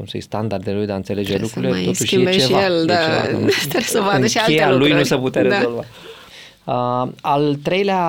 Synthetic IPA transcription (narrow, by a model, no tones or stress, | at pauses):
kumsə̰j̰st̪and̪ard̪elujd̪aɨnt̪se̞le̞d͡ʒelukɾulilet̪ot̪uʃet͡ʃevaeld̪eat͡ʃt̪esəvad̪əʃialejalujnusəput̪eaɾeazo̞lva | əalt̪ɾe̞jlea